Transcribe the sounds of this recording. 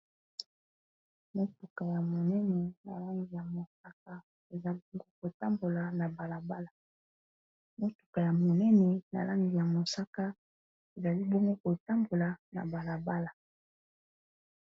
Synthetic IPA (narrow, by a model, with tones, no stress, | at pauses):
mo˦tu˨ka˨ja˨mo˨nɛ˦nɛ˨na̰˨la˦ŋɡi˨ja˨mo˨sa˦k̚a˦ | e˨za˦bɔ˦ŋɡo˦ko˨ta˦mbo˨la˨na˨ba˨la˨ba˦la˨ | mo˦tu̥˨ka˨ja˨mo˨nɛ˦nɛ˨na̰˨la˦ŋɡi˨ja˨mo˨sa˦ka˦ | e˨za˨li˦bɔ˦ŋɡo˦ko˨ta˦mbo˨la˨na̰˨ba˨la˨ba˦la˨